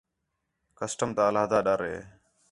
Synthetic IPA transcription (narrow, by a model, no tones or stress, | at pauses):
kəsʈəmt̪aːəlaːɦd̪aːɗaɾɦḛː